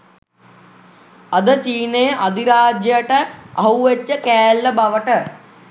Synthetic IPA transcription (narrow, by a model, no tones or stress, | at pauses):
ɐd̪ət͡ʃiːneːʔɐd̪iɾaːd͡ʒjɐʈəɐɦuʋet͡ʃːəkɛːlːɐbɐʋɐʈə